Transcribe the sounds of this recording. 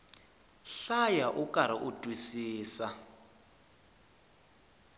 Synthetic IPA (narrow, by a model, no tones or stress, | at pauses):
ɬajaʔukʼaɾ̤aʔudʼʱwisiːsa